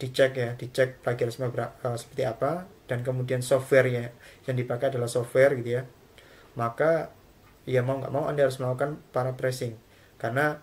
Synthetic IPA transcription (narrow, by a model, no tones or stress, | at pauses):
d̥it͡ʃɛkjad̥it͡ʃɛk̚blaɡiaɾsmabəɾaəsə̥pərt̪iapad̥ank̬əmudiansɔfwɛrjajaŋdipakajadalahsɔfwɛrɡit̪uja | maka | ijamauŋɡa̰ʔmauʔandahaɾʊsməlakukanpaɾapɾɛsɪŋ | karna